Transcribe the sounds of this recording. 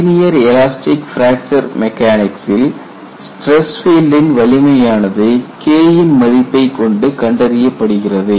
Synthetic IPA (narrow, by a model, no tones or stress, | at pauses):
ɪnɪjɐɾɛlaːsʈɪkfɾaːk̚t͡ʃɐɾmɛkːaːnɪksɪl | sʈɾɛsfiːlɖɪnʋɐɭɪmɐjaːnɐðɯkeːjɪnmɐðɪpːɐɪkɔɳɖɯkɐɳɖɐɾɪjɐpːɐɽɯɣɪrɐðɯ